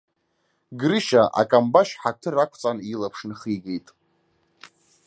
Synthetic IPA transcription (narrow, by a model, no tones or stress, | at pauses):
ɡɾɨʃaʔa̰kʼambaʃħatʰɨrakʷʰt͡sʼanilapʰʂnɨχiɡe̞jtʼ